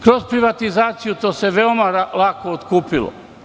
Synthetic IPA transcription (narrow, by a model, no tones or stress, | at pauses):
kɾo̞zpɾiʋat̪izaːt̪sijut̪o̞ːse̞ʋeomalakoːt̪kuːpilo̰